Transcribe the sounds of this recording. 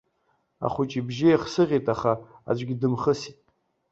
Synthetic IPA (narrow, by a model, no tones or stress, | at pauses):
a̰χʷʊt͡ʃʼibʒɪaχsɨʁʲitʼaχaa̰d͡ʒʷɡʲidɨmχəsitʼ